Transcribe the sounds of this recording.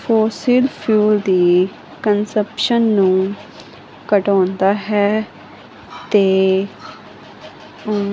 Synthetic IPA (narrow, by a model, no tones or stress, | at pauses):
foːsiːlpʰjuːld̪iː | kənsəpʃənːũː | kəʈɔ̃ːnd̪aːɦɛː | t̪eː